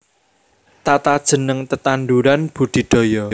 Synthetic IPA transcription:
t̪at̪ad̥ʒ̥ə̤nəŋt̪ət̪anɖuɾanb̥ṳd̪̥i̤ɖ̪̥ɔ̤jɔ

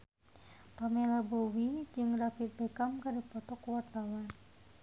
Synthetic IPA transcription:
pamelabowid͡ʒɨŋɾapit̪̚bɛkamkadipɔt̪ɔkwart̪awan

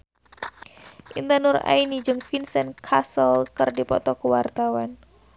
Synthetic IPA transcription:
ʔḭnt̪anʊra̰inid͡ʒɨŋfinsɛnkʰasəlkərdipɔt̪ɔkuwart̪awan

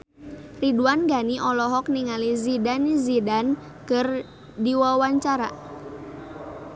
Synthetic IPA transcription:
riduanɡaniʔɔlɔɦɔk̚niŋalizidanizidan | kər | diwawaɲt͡ʃaɾa̰

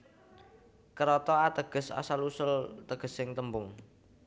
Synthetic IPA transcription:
kəɾɔt̪ɔat̪əɡ̥ə̤sa̰salusʊlt̪əɡ̥ə̤sɪŋt̪əmbʊŋ

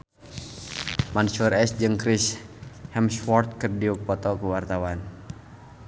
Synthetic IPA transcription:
mansurɛsd͡ʒɨŋkɾishɛmsfɔrt̪̚kɨrdiupɔt̪ɔkuwart̪awan

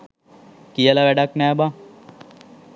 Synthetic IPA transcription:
kijəlaʋæɖaknɛːba

